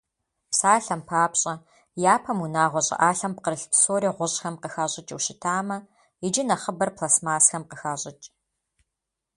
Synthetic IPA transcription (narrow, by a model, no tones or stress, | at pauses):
psaːɬɐmpʰaːpɕʼɐ | jaːpʰɐmunaːʁʷɔɕʼɪ̰ʔaːɬɐmp̚qəɾɨɬpsoːɾiːʁʷʊɕʼxɐmqəxaɕʼɪt͡ʃʼwʃɪtʰaːmɐ | ɪd͡ʒɪnɐχəbɐrpʰlasmaːsxɐmqəxaːɕʼɪt͡ʃʼ